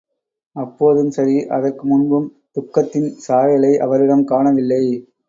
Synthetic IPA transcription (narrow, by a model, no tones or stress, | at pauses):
ɐpːoːðɯmsɐɾiʔɐðɐrkɯmʊnbɯm | t̪ʊkːɐt̪ːɪnsaːjɐlɐɪʔɐ̰ʋɐɾɪɽɐmkaːɳɐʋɪlːɐɪ